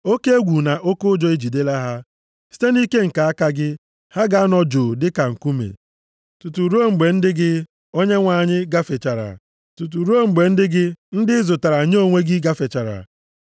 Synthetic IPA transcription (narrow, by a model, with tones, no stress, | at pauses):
o˦ke˦e˦ɡʷu˨na˨ʔo˦kʊ˦d͡ʒɔ˦e˦d͡ʒi˨de˦la˦ɦa˦ | si̥˦te˦ni˦ke˦ŋ̩˨ka˨a˦ka˦ɡɪ˦ | ha˦ɡa˨a˦nɔ˦d͡ʒʊ˨dɪ˦ka˨ŋ̩˨ku˦mḛ˨ | tu˨tu˨ɾo˦ŋ͡m̩˨ɡ͡be˨n̩˦dɪ˦ɡɪ˦ | o˦ɲe˦ŋʷa˨ɲɪ˦ɡa˦fe˨t͡ʃa˨ɾa̰˨ | tu˨t̬u˨ɾo˦ŋ͡m̩˨ɡ͡be˨n̩˦dɪ˦ɡɪ˦n̩˦dɪ˦zʊ˨ta˨ɾa˨ɲ˦o˦ŋʷe˦ɡɪ˦ɡa˦fe˨t͡ʃa˨ɾa̰˨